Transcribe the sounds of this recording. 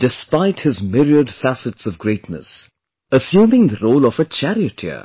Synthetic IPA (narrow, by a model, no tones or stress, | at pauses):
d̥ɨspaɪt̚hɨzmɪɹiədfæsɨtsʌvɡɹeɪtnə̰s | əsjũːmɪ̃ŋðəɹoʊlˠʌvət͡ʃʰæɹiɨtʰɪ̰